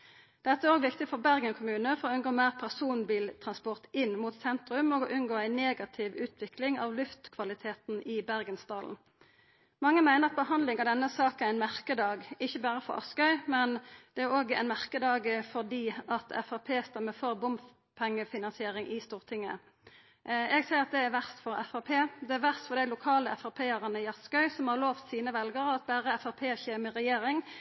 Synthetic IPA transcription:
d̪̥ɛt̪ːəæoːɡʋɪkt̪ɪfɔʁbæʁɡənkʰʊmʉːnəfɔɾʁoːʉnɡoːmæːʁpʰæʁsuːnbiːlt̪ʰʁɑnspɔʁt̪ɪnːmut̪sɛnt̪ʁʉmoːɡɔʔʉnɡoːæɪneːɡɑt̪ʰɪʋʉːt̪ʰʋɪkʰlɪŋɑ̰ʋlʉft̪kʰʋɑlɪt̪ʰeːt̪nʔɪbæʁɡənst̪ɑːln̩ | mɑŋːəmæɪnəʁɑt̪̚bəhɑnd̪lɪŋɑʋd̪ɛnːəsɑːk̩̪æʁæɪnmæʁkəd̪ɑːɡɪçːəbæːʁəfɔʁɑ̰skœʏmɛnd̪̥ɛæʁoːɡæ̰ɪnmæʁkəd̪ɑːɡəfɔʁd̪iːɑt̪ʰɛ̰fɑpʰeːst̪ɛmːəfɔʁbʊmf | pʰɛŋːəfɪnɑnsɪeːɾɪŋʔɪst̪uːʁt̪ʰɪŋːə̰ | ɛɡsæɪʁɑt̪̚d̪ɛæɾʋæʁst̪fɔɾɛfɑpʰeːd̪ɛæʋæʁst̪fɔʁd̪æɪlʊkʰɑːləɛfɑpʰeːɑʁənəɪɑskɑʏsɔmhɑʁloːft̪siːnəʋɛlɡəʁəɑt̪̚bæːʁəɛfɑpʰeːçeːməʁɛjeːɾɪŋ

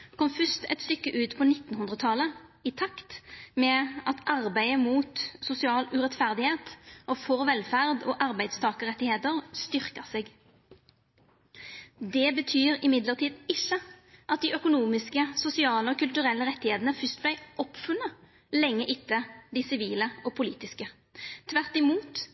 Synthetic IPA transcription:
kʰɔmfʏst̪ɛt̪st̪ʏkːəʔʉːt̪pʰɔnɪt̪ːnhʉnd̪ʁət̪ʰɑləɪt̪ʰɑkt̪mɛɑt̪ɑʁbæɪəmuːt̪sʊsɪɑːlʉʁɛt̪fæʁd̪ɪheːt̪ʔɔfɔʁʋɛlfæʁd̪oːʔɑʁbæɪd̪st̪ʰɑːkəʁɛt̪ːɪheːt̪əʁst̪ʏʁkəseːɡ | d̪ɛbət̪ʰyːʁɪmɪd̪ləʁt̪ʰiːd̪ɪçəʔɑt̪̚d̪iœkʊnuːmɪskəsʊsɪɑːləɔkʰʉlt̪ʉʁɛlːəʁɛt̪ːɪheːt̪ənəfʏst̪̚blæɪʔɔpfʉnːə | lɛŋːəʔɪt̪ːəd̪ɪsɪʋiːləɔpʰʊliːt̪ɪskə | t̪ʰʋæʁt̪ɪmuːt̪

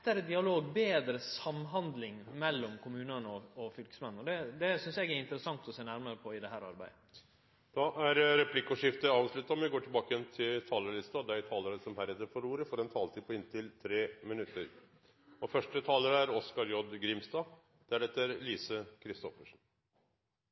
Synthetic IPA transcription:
t̪ːæɾəd̪ɪɑloːɡbeːd̪ɾəsɑmɦɑnd̪lɪŋmɛlːɔmkʰʊmʉːnənəɔɔfʏlkə̥smɛn̩ːɔd̪ɛd̪ɛsʏnsjɛɡæɾɪnt̪əɾəsɑŋt̪ɔseːnæɾməɾəpʰɔɪd̪ɛɦæːɾɑ̰ɾbæ̰ɪə | d̪̥ɑʔæɾɾɛpʰlɪkːɔʂɪft̪əɑːʋʂɭʉt̪ːɑɔmʋɛɪɡoːʈʰɪlbɑːkəjɛnt̪ʰɪlt̪ʰɑːləɭɪst̪ɑd̪ɛæʈ̪ʰɑːləɾəsɔmhæɾɛt̪ːəɾfɔɾuːɾəfɔɾɛnt̪ʰɑːlt̪iːpʰɔɪnt̪ʰɪlt̪ʰɾeːmɪnʉt̪ːəɾ | ɔfœʂʈət̪ʰɑːləɾəæɾɔskɑɾjɔd̪ɡɾɪmst̪ɑː | d̪̥ɛæɖɛt̪ːəɾliːsəkʰɾɪst̪ɔfəʂn̩

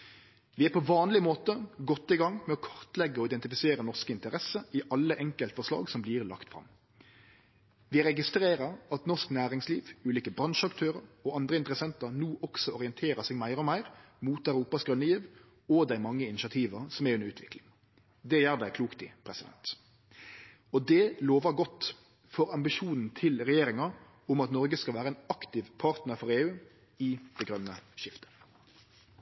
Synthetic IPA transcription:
ʋɪæpʰɔʋɑːnlɪmoːt̪əɡɔt̪ːɪɡɑŋmɛɔkʰɑʁt̪lɛɡːəɔɪd̪ɛnt̪ɪfɪseːɾənɔʂkəɪnt̪əɾɛsəɪʔɑlːəʔɛŋkəlt̪fɔʁʂlɑ̰ːɡsɔmbliːʁlɑ̰kt̪fʁɑ̰m | ʋɪɾɛɡɪst̪ɾeːɾəɾɑt̪nɔʂknæːɾɪŋsliːʋʉːliːkəbɾɑnʂɑkt̪ʰøːʁəɾɔɑnd̪ʁəɪnt̪əɾəsɛnt̪əɾnuːʔɔksɔɔʁɪɛnt̪ʰeːɾəsɛːɡmæɪɾɔmæɪʁ | muːt̪æɪɾuːpɑsɡʁʉnːəjiːʋ | ɔd̪æɪmɑŋːəɪnɪʃɑt̪ʰiːʋəsɔmɛɾʉnɾʉːt̪ʰʋɪklɪŋ | d̪ɛjæːʁd̪æɪkʰluːkt̪ɪ̰pʰɾɛsɪd̪ɛ̰nt̪ | ɔd̪ɛloːʋɑɡɔt̪ː | fɔɾɑmbɪʃuːnn̩t̪ʰɪlʁɛjeːɾɪŋɑ | ʊmɑt̪nɔɾɡəskɑʋæːɾəɛnɑkt̪ɪʋpʰɑʁt̪nəɾfɔɾeːʉː | ɪd̪̥ɛɡʁœnːəʃɪft̪ə̥

